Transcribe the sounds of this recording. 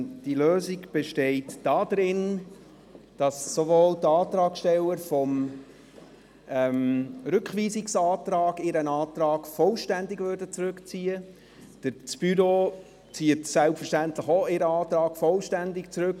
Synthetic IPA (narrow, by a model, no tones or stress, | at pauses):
d̥iløːziɡb̥eʃtɛɪtd̥ɑːd̥ɾɪn | d̥ɑsːovoːldəɑːtɾɑːkʃtɛlːəɾfɔm | ɛmɾʏkχʋiːsɪksɑːtɾɑːɡɪɾənɑːt̪ɾɑːɡ̥fɔlʃtændɪɡvʏɾdət͡sɾʉkt͡siːə | d̥əɾt͡sb̥yɾo | t͡siːətsælpfəɾʃtæntləχoɪɾəɑːt̪ɾɑːɡ̥fɔlʃtændɪkt͡sɾɵk